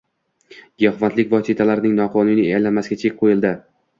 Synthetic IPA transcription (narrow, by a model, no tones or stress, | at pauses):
ɡʲahvant̪lɪkʲvɒsit̪ʰalaɾɪnɪŋnɒqʰɒnɪnɪeajlanmasɪɡʲat͡ʃʰek̚ʲqʰojɪlˠd̪ɪ